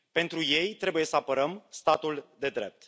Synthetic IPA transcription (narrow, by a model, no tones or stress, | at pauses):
pe̞nt̪ɾuje̞jt̪ɾe̞buje̞səapəɾəmst̪at̪uld̪e̞d̪ɾe̞̰p̚t̪